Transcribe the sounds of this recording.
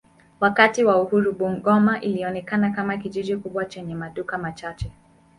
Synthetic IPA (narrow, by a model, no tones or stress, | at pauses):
wakatiwauhuɾuɓuŋ̩ɡɔmaʔiliɔnɛkanakamakiʄiʄikuɓwat͡ʃɛɲɛmaɗukamat͡ʃat͡ʃɛ